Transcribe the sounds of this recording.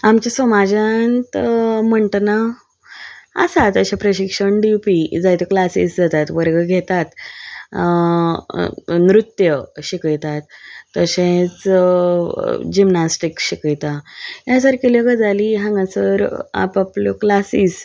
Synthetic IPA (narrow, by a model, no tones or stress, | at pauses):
amt͡ɕasʋəmad͡ʑant̪məɳʈna | ə̰sat̪əɕãpɾəɕikʂəɳɖipid͡zajt̪ɔklasḭsd͡zat̪at̪ʋəɾɡəɡʱet̪at̪ | nɾut̪jəɕikəjt̪at̪ːəɕẽt͡s | d͡ʑimnasʈikɕikəjt̪ajãsəɾkelekəd͡zʱaliɦãŋɡãsəɾa̰papljoklasis